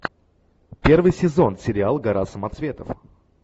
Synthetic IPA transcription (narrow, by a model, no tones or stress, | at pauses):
pʲervɨjsʲɪzo̞nsʲɪɾʲɪalˠɡɐɾasəmɐt̪svʲe̞t̪əf